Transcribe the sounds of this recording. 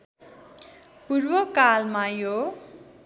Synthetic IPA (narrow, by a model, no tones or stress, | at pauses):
purbʌkalmajo